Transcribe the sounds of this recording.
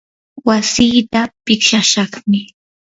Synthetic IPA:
wasiːt̪apɪkʃaʃɑχmɪ

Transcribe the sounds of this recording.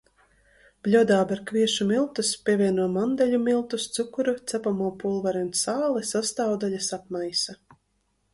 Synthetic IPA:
b̥lʲuɔd̪aːbaɾkvʲiɛʃumilˠt̪uspʲiɛvʲiɛnuɔmand̪ɛlʲumilˠt̪ust̪sukuɾut̪sɛpamuːpulˠvaɾɛunsaːlˠɛsast̪aːwd̪alʲasap̚majsa

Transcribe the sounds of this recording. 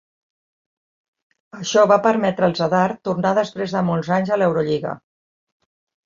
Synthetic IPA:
əʃɔβapəɾmɛt̪ɾəːlˠzəðaɾt̪urnaðəspɾezðəmɔlˠzaɲzəlɛwɾuʎiɣə̰

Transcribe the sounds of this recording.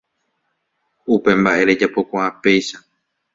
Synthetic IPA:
upe̞mbaʔe̞ɾe̞d͡ʒapo̞kʷaãpe̞jʃa

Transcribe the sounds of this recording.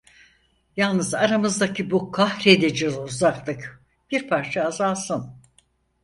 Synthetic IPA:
jalˠnɯzaɾamɯzd̪acʰibukʰahɾed̪ed͡ʒøzuzaklˠɯk | b̥iɾpʰaɾt͡ʃʰaːzaːsɯn

